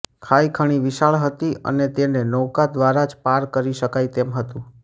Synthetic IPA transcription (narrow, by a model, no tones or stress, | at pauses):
kʰaikʰəɽ̃iʋɪʃaɭɦət̪iə̰net̪enenɔkad̪ʋaɾad͡ʒpaɾkəɾiʃəkajt̪emɦət̪ũ